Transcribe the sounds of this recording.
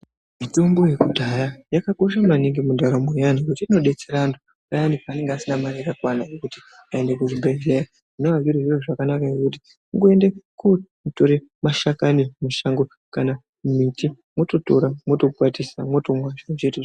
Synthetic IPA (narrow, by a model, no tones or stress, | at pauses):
mitombo̞je̞kudʱajajakako̞ʃamaniŋɡimudʱaɾamojanikutiːno̞ɗe̞t͡seɾandu | ajandikaːne̞ŋɡeasinamaɾijakakwanajokuti̥ | ae̞ndekuʐibʱaid͡ʒeja | inoʋaviɾoʐiroʐakanakajekuti̥ | uŋɡoe̞ndeku | to̞ɾemaʃakanimuʃaŋɡo | kana | mumiti | mwo̞to̞to̞ɾamwo̞to̞pwatisamwo̞tomwat͡ʃet͡ʃetu